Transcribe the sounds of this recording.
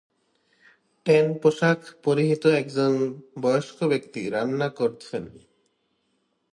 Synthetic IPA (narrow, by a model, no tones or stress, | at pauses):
ʈenpoʃakʰpoɾiɦit̪oɛkd͡ʑonbɔjoʃkobekt̪iɾanːakoɾt͡ɕʰen